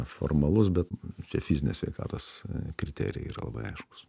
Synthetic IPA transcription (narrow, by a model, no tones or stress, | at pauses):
fo̰ːrmɐlˠʊsbʲɛt̪t͡ʃʲɛfʲizʲɪnʲeːsʲʋʲɛɪkɑ̰ːt̪oːskɾʲɪt̪ʲæ̰ːɾʲɪjɛ̰iːɾɐ̰lˠɐ̰bɐ̰ɪɐɪʃkʊ̥s